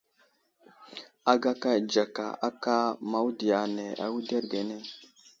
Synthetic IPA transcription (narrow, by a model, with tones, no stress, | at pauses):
a˨ɡa˦ka˦˨d͡ʒa˨ka̰˨a˦ka˦ma˨wu˦di˨a˨ne˨a̰˨wu˦de˦ɾɡe˨ne˦